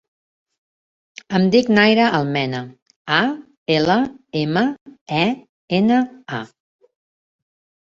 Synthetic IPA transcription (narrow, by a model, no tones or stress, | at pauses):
əmd̪iknajɾəʔəlˠmɛnə | a | eləeməɛ | enəa